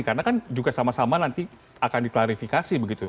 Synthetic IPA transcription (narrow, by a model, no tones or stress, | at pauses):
karnakand͡ʒuɡasamasamanant̪i | akandiklaɾifikasibəɡit̪u